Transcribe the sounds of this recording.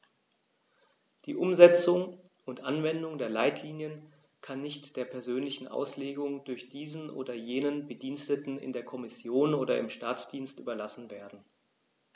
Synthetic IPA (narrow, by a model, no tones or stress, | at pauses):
d̥iːʔʊmzɛt͡sʊŋ | ʊntʔanvɛndʊŋdeːɐlaɪtʰliːnjən | kʰanːɪçtd̥eːɐpʰɛɐzøːnlɪçn̩ʔa̰ʊsleːɡʊŋd̥ʊɐçd̥iːzn̩ʔo̰ːdɐjeːnənbədiːnstətn̩ɪ̰ndeːɐkʰɔmɪsjoːnoːɾɐɪ̰mʃtaːt͡sd̥iːnstʔyːbɐlasn̩veːɐdn̩